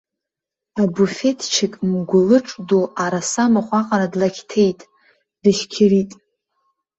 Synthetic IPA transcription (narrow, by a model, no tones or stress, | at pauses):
abufe̞tʰt͡ʃʰɪkʼmɡʷʊlɨʈ͡ʂʼdoʔaɾasamaχʷaqʼaɾadlakʲtʰejtʼ | d̥ɨʃkʲʰɪritʼ